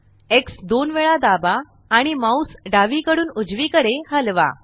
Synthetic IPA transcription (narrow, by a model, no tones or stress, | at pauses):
eksd̪onʋeɭad̪abaː | ɽ̃imausɖaʋikəɽuːnud͡zʋikəɽehəlʋa̰